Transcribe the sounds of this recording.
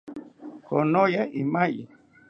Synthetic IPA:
konojaʔimajḭ

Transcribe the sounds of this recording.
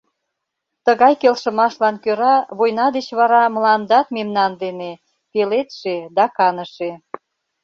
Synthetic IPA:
t̪əɣɑjkelʃə̆mɑʃlɑnkøɾɑβojnɑd̪et͡ɕβɑɾɑməlɑnd̪ɑt̪memnɑnd̪ene | pelet̪ʃed̪ɑkɑnəʃe

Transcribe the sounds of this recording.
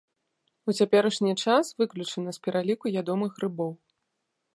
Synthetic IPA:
ut͡sʲapʲɛɾɐʂnʲit͡ʂasvɨklʲut͡ʂɨnɨspʲɛɾalʲikuvʲad̪ɔmɨxrɨbɔw

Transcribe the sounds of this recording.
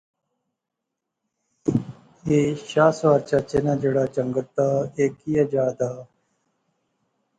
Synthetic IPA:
eɕaːswaːɾt͡ɕaːt͡ɕenaːd͡ʑeɽaːt͡ɕɐŋɡət̪ːaeːkijad͡ʑaːd̪aː

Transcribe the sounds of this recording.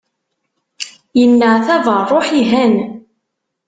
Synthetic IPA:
jənːəʕθævərˤoħiɦæn

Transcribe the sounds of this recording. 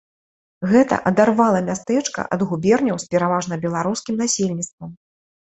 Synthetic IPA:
ɣɛt̪ɐ̰ʔɐd̪arvalˠɐmʲast̪ɛt͡ʂkɐ̰ʔɐd̪ɣubʲɛrnʲɐwspʲɛɾavaʐnɐbʲɛlˠaɾuskʲimnasʲelʲnʲit̪st̪vɐm

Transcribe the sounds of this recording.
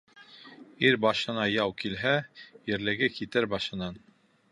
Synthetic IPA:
iɾbɑʃɤ̆nɑjɑwkilɦæjɘ̆ɾlɘ̆ɡɘkit̪ɘɾbɑʃɤ̆nɑn

